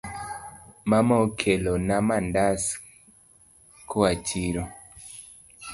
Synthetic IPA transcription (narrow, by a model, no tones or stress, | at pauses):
mamɔkʰelonamandas | kʰoat͡ʃiɾo